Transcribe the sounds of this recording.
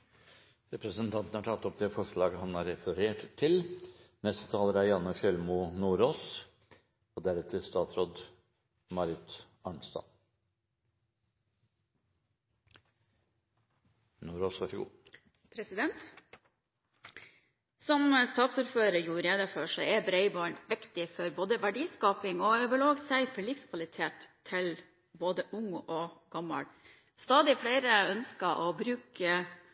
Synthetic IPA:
ɾɛpɾəsənt̪ʰɑnt̪n̩hɑʈʰɑt̪ːɔpd̪ɛfɔʂɭɑːɡəhɑnɑɾɛfəɾeːʈt̪ʰːɪlnɛst̪ə̥t̪ʰɑːləɾæɾjɑnːəʃœlmuːnuːɾoːs | ɔd̪æɾʉt̪ʰɪst̪ɑːt̪sɾoːd̪ | mɑɾɪt̪ | ɑɳst̪ɑ̰n | nuːɾoːsʋɑʂɔɡṵː | pʰɾɛsɪd̪ɛnt̪ | sɔmst̪ɑːt̪suːɾføːɾəɾjuːɾeːd̪əføːʂɔɛbɾeɪbɔʏɳʋɪkt̪ɪfɔɾboːd̪əʋæɖiːskɑːpɪŋɔœbəloːɡsæɪfɔɭɪfskʰʋɑlɪt̪ʰeːt̪ʰːɪl | boːd̪əʔʊŋoːɡ̥ɑmːə̰ɽ | st̪ɑːd̪ɪfɽeɪɾəœnskɑʔoːbɾʉːkə

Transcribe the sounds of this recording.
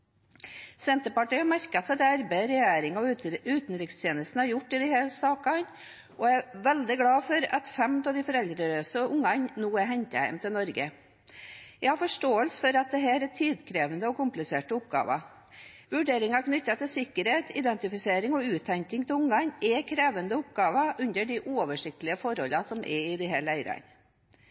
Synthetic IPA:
sɛnt̪əpɑʈiːɑmæɾkɑsɛd̪ɛɑɾbæɪɾɛjæːɾɪŋɑʉːt̪nɾɪkst̪ʰjeːnəst̪n̩əhɑɾjʊʈːɪd̪ɪhæːlsɑːkɑn | ɔɛʋɛld̪ɪɡlɑːfɔɾɑ̰t̪fɛmt̪ʰɑd̪ɪfɔɾɛld̪ɾəɾøːsəʔʊŋːɑɲnuːɛɦɛɲt̪əhæ̰ɪmt̪ɪlnɔɾɡə | jæɪɡhɑɾfɔʂʈoːəlsfɔɾɑt̪̚d̪ɛɦæːɾɛt̪ʰiːd̪kʰɾeːʋənd̪əɔkʊmplɪseːʈəʊp̚ɡɑ̰ːʋɑ̰ | ʋʉɖeːɾɪŋɑknʏt̪ːɑt̪ɪlsɪkːəɾheːt̪ʰɪd̪ɛnt̪ɪfɪseːɾɪŋɔʉːt̪ʰːɛŋkɪŋt̪ʰɪlʊŋːɑnʔɛkʰɾeːʋənd̪əʊp̚ɡɑːʋɑʔʉnd̪əɖɪʔuːɔʋəʂɪk̚t̪əlɪəfɔɾhɔlɑsɔmʔɛɪd̪ɪɦæːlæɪɾɑ̰n

